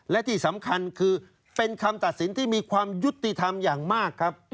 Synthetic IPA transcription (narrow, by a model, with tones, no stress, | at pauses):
lɛ˦˥t̪ʰiː˥˩sa˩˦mkʰa˧nkʰɯː˧ | pe˧nkʰa˧mt̪a˨˩t̪̚si˩˦nt̪ʰiː˥˩miː˧kʰwaː˧mju˦˥t̪ːi˨t̪ʰa˧mjaː˨˩ŋmaː˥˩kʰːɾa˦˥p̚